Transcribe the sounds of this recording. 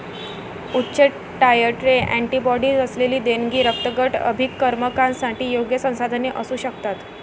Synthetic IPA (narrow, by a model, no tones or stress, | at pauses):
utːɕeʈ | ɖajəʈɾeʔæɳʈiːbɔɽiːd͡zəsleliːd̪enɡiːɾək̚t̪əɡəʈə̰bʱikːəɾməkãnsaʈiːjoɡjəsə̃w̃sad̪ʱəneʔəsuːɕəkt̪at̪